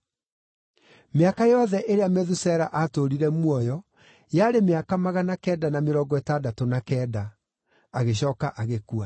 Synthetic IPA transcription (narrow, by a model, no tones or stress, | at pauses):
meakajɔðɛʔeɾeamɛðusɛɾaʔatoɾiɾɛmwɔjɔ | jaːɾemeakamaɣanakɛːdanameɾɔɡɔɛtaːdatonakɛːda | aɣeɕ̬ɔːkaʔaɣekua